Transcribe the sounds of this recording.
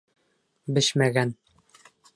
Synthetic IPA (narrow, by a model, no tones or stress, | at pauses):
bɘ̆ɕmæɡæn